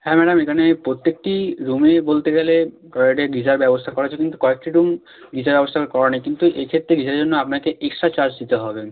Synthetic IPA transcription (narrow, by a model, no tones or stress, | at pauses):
hɛmɛɖamekʰanepɾot̪ːek̚ʈiɾumebolt̪eɡele | kɔeɖeɡid͡ʑaɾbɛbost̪ʰakɔɾat͡ɕʰekint̪u̥kɔek̚ʈiɾum | ɡid͡ʑaɾbɛbost̪ʰakɔɾanajkint̪uʔekʰet̪ːɾeɡid͡ʑaɾeɾd͡ʑonːoapnakeʔeksʈɾat͡ɕaɾd͡ʑd̪it̪eɦɔbe